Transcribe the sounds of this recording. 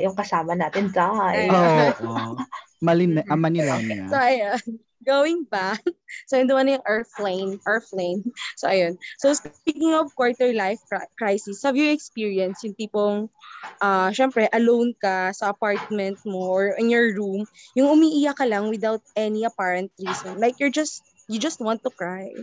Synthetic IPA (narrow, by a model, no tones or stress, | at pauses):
jʊŋkɐsaːmɐnaːt̪ɪnsahajoːʔ | mɐlɪnʔɐmɐnɪlansoʔɐjon | ɡowɪŋbaksɐjʊnd̪ɐmɐnɐjʊŋʔɛɹfleɪnʔɛɹflejnsoʔɐjonsowspikɪ̃ŋɔvkwɔɹt̪ɛɹlajfkɹajsɪshɐvjʊɛkspiɹiɐnsjʊŋpiːpoŋʔaʃɛmpɾɛʔɐlõwnkasɐʔɐpaɹt̪̚mɛ̃nt̪̚moʔɔɹʔɪ̃njɔɹɹumjʊŋʊmiʔɪjakɐlɐŋwɪd̪awt̪̚ʔɛniɐpɛɹɛnt̪̚ɹiːsɔ̃nlajkjɔɹd͡ʒɐst̪̚ | jʊd͡ʒɐst̪̚wãnt̪ːʊkɹaj